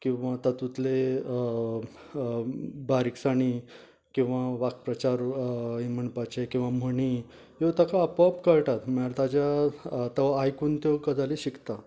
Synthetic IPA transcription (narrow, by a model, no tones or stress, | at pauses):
kĩw̃ʋat̪at̪ut̪le | baɾiksaɽ̃i | kĩw̃ʋaʋak̚pɾət͡ɕaɾim̤əɳpat͡ɕekĩw̃ʋam̤əɳi | jet̪akaːpapkəɭʈat̪məjaɾt̪at͡ɕjat̪əʋaːjkuːnt̪okəd͡zaleɕikt̪a